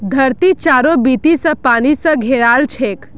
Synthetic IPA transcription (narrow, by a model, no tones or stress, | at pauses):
d̪ʱəɾt̪it͡ʃaːɾobit̪isə̃paːnisə̃ɡʱeɾaːlt͡ʃʰek